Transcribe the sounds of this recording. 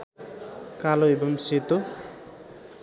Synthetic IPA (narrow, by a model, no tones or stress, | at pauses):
kaloebʌmset̪o